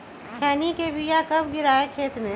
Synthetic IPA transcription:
kʰɛːnikeʋijakɐb̚ɡɪɾaːekʰeːt̪mẽ

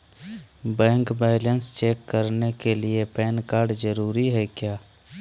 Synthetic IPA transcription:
bɛ̃ːŋkbɛːlənst͡ʃeːkːəɾnekeliepɛːnkaːɾɖd͡ʒəɾuːɾiɦɛkjaː

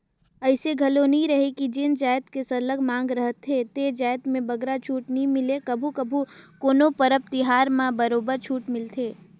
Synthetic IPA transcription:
ɐɪseɡʱɐlonəɦĩɾɐɦekid͡ʒɪnd͡ʒaːjt̪kesəɾləɡmãːŋɡɾəɦət̪ʰːet̪ed͡ʒaːjt̪mẽbɐɡɾat͡ʃʰuːʈnɦĩmɪlekəbʱukəbʱukoːnopəɾəp̚t̪ɪɦaːɾmãbəɾoːbəɾt͡ʃʰuːʈmɪlt̪ʰeː

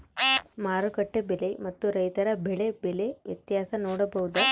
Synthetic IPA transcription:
maːɾɯkɐʈːebɛlɐɪmɐt̪ːuɾɐjt̪ɐɾɐbɛɭebɛleʋjɐt̪jaːsɐnoːɽɐbɐɣɯðɐ

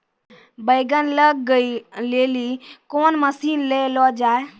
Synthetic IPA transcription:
bəɪɡənləɡːəilelikonməsiːnlelɔd͡ʒaːe

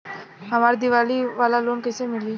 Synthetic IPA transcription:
ɦəmaɾd̪iʋaliʋalalonkəjsemiliː

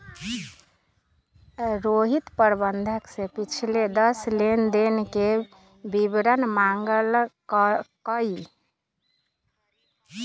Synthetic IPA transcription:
ɾoɦit̪pəɾbənd̪ʱəksẽpit͡ʃʰiled̪əslend̪enke | bibɾənmaŋɡəlkkəi

